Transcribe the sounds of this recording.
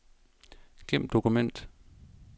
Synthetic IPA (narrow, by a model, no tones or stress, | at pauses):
ɡ̥em̰d̥o̝kumen̰d̥